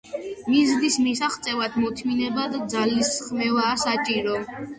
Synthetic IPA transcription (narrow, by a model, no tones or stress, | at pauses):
mizd̪ismisaχt̪sʼɛvad̪mɔt̪ʰminɛbad̪ad̪zalisχmɛvaːsat͡ʃʼiɾɔ